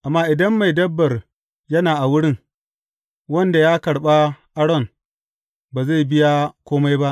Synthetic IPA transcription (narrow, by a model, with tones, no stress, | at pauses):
ʔa˨mːaː˦ʔɪ˨dɐ˦mːa˨jdɐ˦bːɐ˨r | jɐ˦naː˨ʔa˨wʊ˦ɽɪ˦ŋ | wɐ˦nda˨jaː˦kɐ˨ɽɓa˦ʔa˦ɽɔ˦˨n | baː˨za˦˨jbɪ˦ja˦kʷoː˦ma˦jba˦ʔ